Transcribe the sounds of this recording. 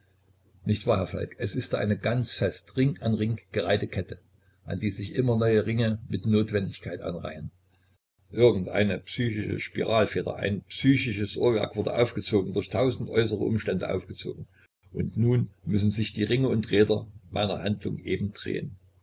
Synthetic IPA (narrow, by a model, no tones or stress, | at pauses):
nɪçtv̥aːɦɛɐfa̰lkɛsɪstːʔa̰ɪnəɡant͡sfɛstʁɪŋʔanʁɪŋɡ̥əʁaɪtəkʰɛtə | ʔa̰ndiːzɪçʔɪmɐnɔʏəʁɪŋəmɪtnoːtv̥ɛndɪçkʰaɪtʔa̰nʁa̰ɪən | ʔɪɐɡŋ̩tʔa̰ɪnəpsyːçɪʃə̰ʃpḭʁaːlfeːdɐ̰ʔa̰ɪnpsyːçɪʃəsʔoːɐvɛ̰ɐkv̥ʊɐdəʔa̰ʊfɡ̥ət͡soːɡŋ̩dʊːɐçtʰaʊzn̩tʔɔʏsəʁəʔʊ̰mʃtɛndə̰ʔa̰ʊfɡ̥ət͡so̰ːɡŋ̩ | ʔʊntnuːnmʏsn̩zɪçd̥iːʁɪŋəʊntʁeːdɐmʔa̰ɪnɐ̰handlʊ̰ŋʔeːbm̩d̥ʁḛːən